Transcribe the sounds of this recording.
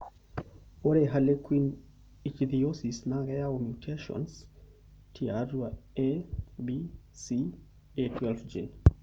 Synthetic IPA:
oɾeɦalekwin | it͡ʃðiosisnaɣɛaomjutʰeʃɔ̰ns | tʰiadwaebisi | etʰwɛlfd͡ʒḭn

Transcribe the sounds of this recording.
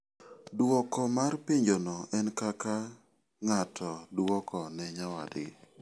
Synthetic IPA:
dwɔkɔmarpiɲd͡ʒonɔʔɛnkaka | ŋatʰɔdwɔkɔnɛɲawa̰dɪ̰

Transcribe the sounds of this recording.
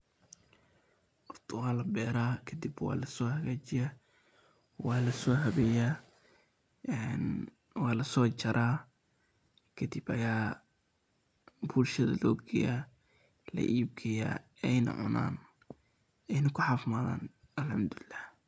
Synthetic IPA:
ʔʊrd̪ʰʊɣaːlɐbɛːɾaːkʰɐd̪ibwɑ̰ːlɐsɔːhɐɣaːt͡ʃɪja | wɑːlɐsɔːɦɐβɛja | ɛn | wɑːlɐsɔːt͡ʃɐɾʔaː | kʰɐd̪ibɐjaː | buːlʃɐðɐ̰lɔːɡɛ̰ja | lɐ̰ʔiːb̚kʰɐja̰ːɛjnɐ̰ʕʊ̰na̰ːn | ɛjnɐkʰʊħɑfmaːða̰ːn | ɐlħamd̪ʊɪlːah

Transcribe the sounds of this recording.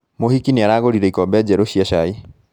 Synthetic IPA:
mohikiniaɾaːɣoɾiɾɛikɔbɛd͡ʑɛɾoɕiaɕai

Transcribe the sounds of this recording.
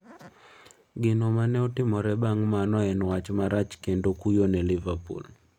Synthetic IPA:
ɡɪnɔmanɛɔtɪmɔɾɛbaŋmanɔɛnwat͡ʃmaɾat͡ʃkendokujonɛlivapṵl

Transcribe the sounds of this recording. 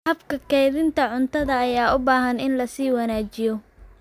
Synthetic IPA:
hɐfkʰɐkʰɛjðɪnt̪ʰɐʕʊnt̪ʰɐðɐːjaːʊbaːɦɐnɪnlɐsiːwɐnaːt͡ʃɪjɔ

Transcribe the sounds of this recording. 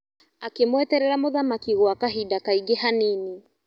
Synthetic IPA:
akemwɛtɛɾɛɾamoðamakiɣoakaɦidakaiɡehanini

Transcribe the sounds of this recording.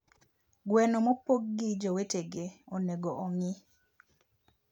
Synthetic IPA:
ɡwɛnomopoɡ̚ːid͡ʒoweteɡeoneɡoʔoŋɪ

